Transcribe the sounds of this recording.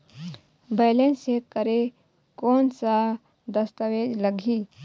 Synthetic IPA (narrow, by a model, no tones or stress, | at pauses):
beɪlensekəɾe | koːnsa | d̪əst̪əʋed͡ʒləɡʱi